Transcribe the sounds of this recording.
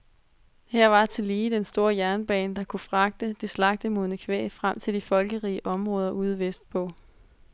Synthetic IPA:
hæɐ̰ʋɑ̈t͡sʰe̝liːd̥ensd̥o̝ɐjæɐnb̥ɛ̰ːnd̥ɑ̈kʰufʁɑ̈ɡ̥̚d̥əd̥eslɑ̈ɡ̥̚d̥əmoðnəkʰʋḛːfʁam̰t͡sʰe̝ld̥ifɒ̽lɡ̥əʁḭːəʔɒ̽mʁɔ̽ːð̞ˠɐʔuːð̞ˠʋesd̥̚pʰɒ̽

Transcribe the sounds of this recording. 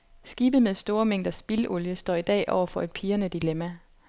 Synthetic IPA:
sɡ̥iːb̥ð̩ˠmeðˠsd̥o̝ːɐmeŋ̰d̥ɐsb̥ilɔljəsd̥ɒ̰ːid̥ɛ̰ːʔɒʊɐfɒ̽e̝d̥̚pʰiːɐnəd̥ilemæ

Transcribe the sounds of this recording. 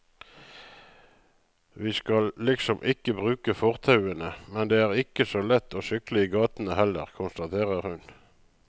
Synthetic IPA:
ʋiːskɑllɪksɔmʔɪkəbʁʉːkəfɔʁt̪ʰɑʉənəmɛnd̪eːæːʁɪkəsoːlɛt̪ʰːoːʃʏklɪiːɡɑːt̪n̩əhɛlə̰ʁkʰʊnst̪ɑt̪ʰeːʁəʁhʉn

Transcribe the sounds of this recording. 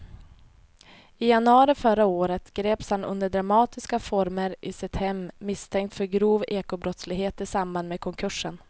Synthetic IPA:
ɪjanɵɑːɾɪfœɾaoːɾət̪ɡɾeːpshanɵ̰nd̪əɖɾamɑːt̪ɪskafɔɾməɾʔɪsɛt̪ʰhɛmmɪst̪ʰɛŋk̚t̪fœɾɡɾuːveːkʊbɾɔt̪slɪɡɦeːt̪ɪsambanmeːkʰɔŋkʰɵʂːən

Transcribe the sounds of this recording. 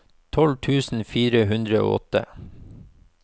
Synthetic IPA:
t̪ʰɔlt̪ʰʉːsn̩fiːɾəhʉnd̪ɾəo̰ːʔɔ̰t̪ə̰

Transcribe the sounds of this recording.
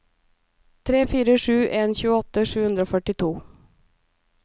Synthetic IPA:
t̪ʰɾeːfiːɾəʂʉːʔeːnçʉːəɔt̪ːəʂʉːhʉnd̪ɾəoːfœʈɪt̪ʰuː

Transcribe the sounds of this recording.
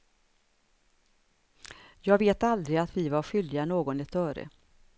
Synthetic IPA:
jɑːɡveːt̪ald̪ɾɪat̪vɪvaɾɧʏld̪ɪɡanoːɡɔnɛt̪œːɾə̰

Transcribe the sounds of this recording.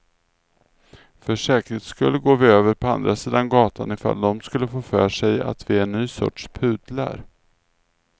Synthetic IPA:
fœʂɛːkɾət̪skɵlːəɡoːvɪøːvəɾpʰɔand̪ɾʔasiːd̪anɡɑːt̪ʰanɪfa̰ld̪ɔmskɵlːəfoːfœːʂɛja̰t̪vɪænːyːsɔ̰ʈʂpʰʉ̟ːd̪la̰ɾ

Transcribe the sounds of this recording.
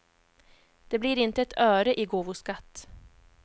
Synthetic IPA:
d̪̥ɛbliːɾɪnt̪əɛt̪ʰœːɾəʔɪɡoːvʊskat̪ː

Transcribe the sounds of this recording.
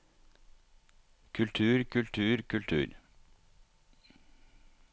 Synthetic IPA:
kʰʉlt̪ʰʉːɾkʰʉlt̪ʰʉːɾkʰʉlt̪ʰʉ̰ːɾ

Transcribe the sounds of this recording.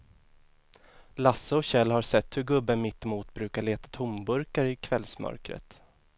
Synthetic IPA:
lasːəɔɕɛlːhaɾsɛt̪ːhɵɾɡɵbːəmɪt̪ːɔmuːt̪bɾʉ̟ːkaɭeːt̪ḁt̪ʰʊmbɵɾkaɾɪkʰvɛlsmœ̰ɾkɾə̰t̪

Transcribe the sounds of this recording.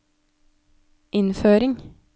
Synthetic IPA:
ʔɪnføːɾɪŋ

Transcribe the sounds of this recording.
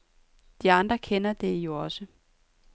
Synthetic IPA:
d̥iɑ̈nd̥ʁɐkʰenɐd̥e̝jo̝ɒ̽sə

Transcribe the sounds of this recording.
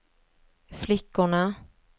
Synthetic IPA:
flɪkːʊɳa

